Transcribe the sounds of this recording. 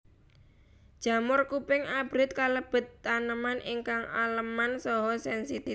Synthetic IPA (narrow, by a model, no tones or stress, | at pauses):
d̥ʒ̥ä̤mʊrkupɪŋab̥ɾɪt̪̚kaləb̥ə̤t̪ːanəmanʔiŋkaŋa̰ləmansɔɦɔsɛnsit̪i